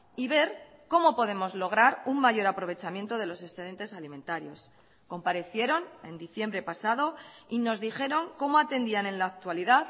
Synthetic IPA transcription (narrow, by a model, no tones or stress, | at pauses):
iβ̞e̞ɾ | ko̞mo̞po̞ðe̞mo̞zlo̞ɣ̞ɾaɾuŋmaʝo̞ɾapɾo̞β̞e̞t͡ʃamje̞nt̪o̞ð̞e̞lo̞se̞sθe̞ð̞e̞nt̪e̞salimẽ̞nt̪aɾjo̞s | ko̞mpaɾe̞θje̞ɾo̞ne̞̰nd̪iθje̞mbɾe̞pasað̞o̞ino̞zðixe̞ɾo̞ŋko̞mo̞at̪e̞nd̪iane̞nlaːk̚t̪waliðað